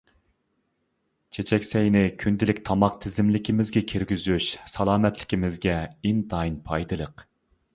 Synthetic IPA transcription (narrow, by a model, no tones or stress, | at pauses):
t͡ʃʰet͡ʃʰɛkʲsɛjnɪkʲʰynd̪ɪlɪkʲt̪ʰɑmɑqt̪ʰɪzɪmlɪkʲʰimɪzɡʲɛkʲʰiɾɡʲyzyʃsɑlˠɑːmɛt̪lɪ̥kʲimɪzɡʲɛind̪ɑinpʰɑjd̪ɨlˠəq